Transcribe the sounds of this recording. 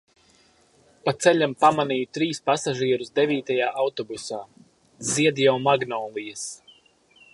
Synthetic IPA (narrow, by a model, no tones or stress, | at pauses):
pat̪sɛʎʲampamaniːjut̪ɾiːspasaʒiɛɾuzd̪eviːt̪ajaːʔawt̪ɔbusaː | ziɛd̪ijawmaɡnɔːlˠijas